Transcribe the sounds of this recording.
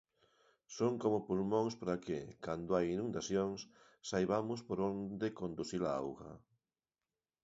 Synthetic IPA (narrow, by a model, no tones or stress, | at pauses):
soŋkomʊpulmõŋspaɾakɪkand̪oajinũnd̪aθjoŋs | sajβamʊspoɾond̪ekond̪uθilaa̰wɣɐ̰